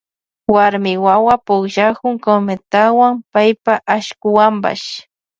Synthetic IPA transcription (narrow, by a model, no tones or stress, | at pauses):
waɾmɪwawapʊkʒakʊŋkomet̪awaŋpajpaʔaʃkʊwamba̰ʃ